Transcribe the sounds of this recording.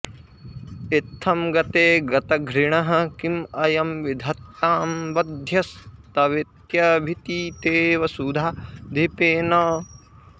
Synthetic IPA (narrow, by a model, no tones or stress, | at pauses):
it̪ʰːɐmɡɐt̪eːɡɐt̪ɐɡʱɾiɳɐɦɐkimɐjɐmʋid̪ʱɐt̪ːaːmbɐd̪ʱjɐst̪ɐʋit̪jɐbʱit̪it̪eːʋɐsud̪ʱad̪ʱipeːnɐː